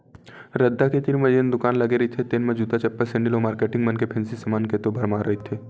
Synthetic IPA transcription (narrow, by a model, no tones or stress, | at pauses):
ɾɐd̪ʱːaket̪inmɐd͡ʒeːnd̪ʊkaːnlɐɡeɾəit̪ʰet̪eːnmɐd͡ʒuːd̪at͡ʃɐpːəsẽɳɖɪiloːmaːɾkeːʈɪ̃ŋɡmɐnkepʰɛ̃ːnsisɐmaːnket̪obʱɐɾmaːɾɐɦit̪ʰeː